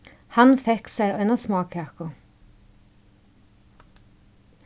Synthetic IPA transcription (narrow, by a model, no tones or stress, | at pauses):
hɑnfɛksæɾœʏnasmɑːkʰɑkʊ